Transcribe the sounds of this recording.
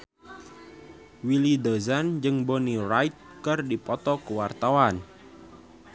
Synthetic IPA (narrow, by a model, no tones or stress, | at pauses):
wilidəzand͡ʒɨŋbɔnirajt̪̚kɨrdipɔt̪ɔkəwart̪awan